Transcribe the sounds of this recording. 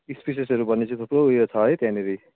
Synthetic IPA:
ispis̬esʌɾubʌnːet͡sʌ̃t̪ʰoproujot͡sʰʌɦʌjt̪jãneɾi

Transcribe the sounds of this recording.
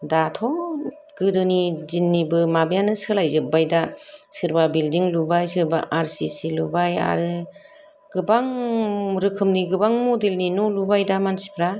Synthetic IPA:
datʰɔ | ɡ̥ɯdɯnizinːibɯmabɯjanɯsɯlajzɯbajdasɯɾbabildiŋlubajsɯɾba̰ʔaɾsisilubaja̰ɾɯ | ɡ̥ɯbaŋɾɯkʰɯmniɡɯbaŋmudelninulubajdamansi̥pʰɾa

